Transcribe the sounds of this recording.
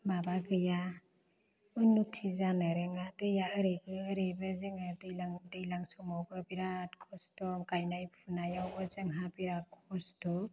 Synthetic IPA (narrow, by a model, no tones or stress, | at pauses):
mabaɡɯja | unːutʰizanaɾeŋadɯjaəɾeɡɯːɾebɯzeŋadilaŋdejlaŋsɔmɔwbɯbiɾatkʰɔstɔmkajnajpʰunajawbɯzɯŋɦabiɾakʰɔstɔ